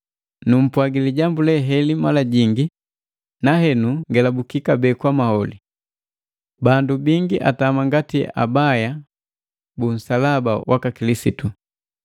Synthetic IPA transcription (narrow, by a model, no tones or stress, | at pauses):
num̩pwaɡiliɟambulɛɦɛlimalaɟiŋɡi | naɦɛnuŋɡɛlabukikabɛːkwamahɔli | bandubiŋɡiʔa̰tamaŋɡatia̰baja | bun̩salabawʔakakilisitu